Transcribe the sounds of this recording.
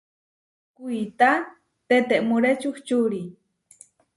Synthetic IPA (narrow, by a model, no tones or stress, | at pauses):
kujt̪a | t̪et̪eʔmuɾet͡ʃuxt͡ʃuɾi